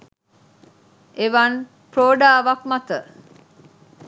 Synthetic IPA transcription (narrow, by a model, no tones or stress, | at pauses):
ʔeʋɐn | pɾoːɖaːʋɐkmɐt̪ə